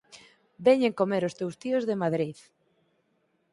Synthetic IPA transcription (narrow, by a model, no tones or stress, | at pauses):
bɛɲeŋkomeɾʊst̪ewst̪iozðemaðɾið